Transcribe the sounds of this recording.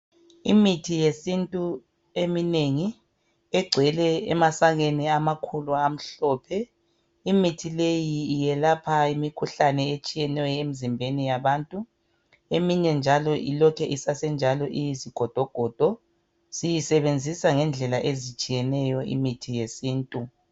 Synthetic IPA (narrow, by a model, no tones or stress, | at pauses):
imitʰijesintʼu | emineŋi | ɛɡ͡ǀʱwɛlɛɛmasaɣeniamakʰuluam̩ɬɔːpʰɛ | imitʰilejiːjɛlapʰaimikʰuɬanɛet͡ʃʼijɛnɛwɛemizimbʱenijaβaːntʼu | emiɲɛnd͡ʒʱalɔʔḭlɔkʰɛʔisasɛnd͡ʒʱalɔʔijiziɡ̥ʱɔd̥ʱɔɡ̥ʱɔd̥ʱɔ | sijisɛβend͡zʱisaŋɛnd͡ɮʱɛlaʔezit͡ʃʼijɛnɛjɔḭmitʰijesiːntʼu